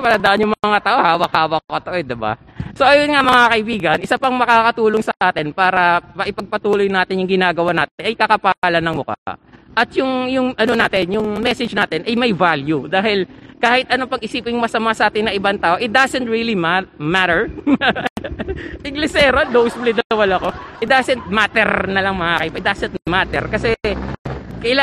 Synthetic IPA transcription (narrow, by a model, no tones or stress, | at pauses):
pɐlɐd̪aʔɐnjʊŋmɐŋat̪aːʔo̞haːwɐkhaːwɐkokɐt̪oʔojd̪ɪba̰ | so̞ʔɐjonŋamɐŋakɐʔɪbiːɡɐnʔɪsapɐŋmɐkaːkɐt̪uːloŋsɐʔaːt̪ɪnpaːɾɐmɐʔɪpɐɡ̚pɐt̪uːlojnaːt̪ɪnjʊŋɡɪnaːɡɐwanaːt̪ɪnʔɐjkɐkɐpaaːlɐnɐŋmʊka̰ʔɐt̪jʊŋjʊŋʔɐno̞naːt̪ɪnjʊŋmɛsɛd͡ʒnaːt̪ɪnʔɐjmɐjvaljud̪aːɦɪlkaːhɪt̪ʔɐno̞pɐŋʔɪsiːpɪŋmɐsɐmasɐʔaːt̪ɪnːɐŋʔɪbant̪aːʔoʔɪt̪̚d̪asɛnt̪̚ɹiːlimmat̪ɛɹ | ʔɪŋɡlɪsɛɾod̪owsblid̪ɐlɐwɐlɐko̞ʔɪt̪̚d̪asɛnt̪̚maːt̪ɛɾnɐlɐŋmɐʔaːkɪpɐɪd̪asɛnt̪mat̪ɛ̰ɾkɐsɛ | kɐʔɪla